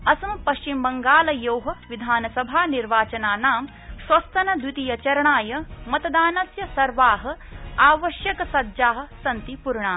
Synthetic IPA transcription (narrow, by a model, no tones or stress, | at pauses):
ɐsɐmpɐʃt͡ʃimbɐŋɡaːlɐjowɦɐʋid̪ʱaːnɐsɐbʱaːniɾʋaːt͡ʃɐnaːnaːm | sʋɐst̪ɐnɐd̪wit̪ijɐt͡ʃɐɾɐɳaːjɐmɐt̪ɐd̪aːnɐsjɐsɐɾʋaːɦɐ̆aːʋɐʃjɐkɐsɐd̪d͡ʒaːɦɐ̆sɐnt̪ipuɾɳaː